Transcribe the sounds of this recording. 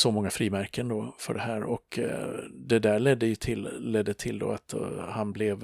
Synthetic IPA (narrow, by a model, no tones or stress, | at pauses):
sɔmɔŋːafɾiːmæɾkənd̪ofœ̰ɖɛɦæːɾɔk | d̪ɛd̪æːɭɛd̪ːəjɵt̪ʰɪlːɛd̪ːət̪ʰɪld̪o̰ːat̪hanblɛv